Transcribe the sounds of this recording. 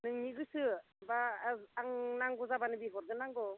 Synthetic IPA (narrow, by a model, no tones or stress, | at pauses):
nɯŋɲiɡɯsɯ | baːŋnaŋɡɔzabanɯbiɦɔɾdɯnaŋɡɔ